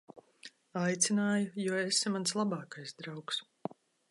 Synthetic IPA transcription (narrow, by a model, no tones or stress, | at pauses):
ajt̪sʲinaːjujuɔesimanslˠabaːkajsd̪ɾawks